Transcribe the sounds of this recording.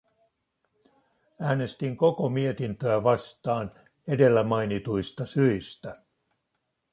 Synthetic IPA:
æːne̞st̪iŋko̞ko̞mie̞t̪int̪øæʋɑst̪ɑːn | e̞de̞lːæmɑjnit̪ujst̪ɑsyist̪æ

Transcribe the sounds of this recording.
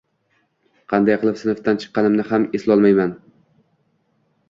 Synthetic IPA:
qʰɑnd̪ajqʰɨlˠɪpsɪnft̪ant͡ʃʰɨ̥qːɑnɪmnɪɦameslˠɒlˠmajman

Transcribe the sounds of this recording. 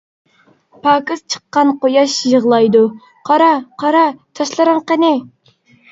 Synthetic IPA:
pʰɑːkɨst͡ʃʰə̥qːɑnqojɑʃjəʁlˠɑjd̪u | qʰɑɾɑqʰɑɾɑt̪ʰɑʃlˠɨɾɑŋqənɪ

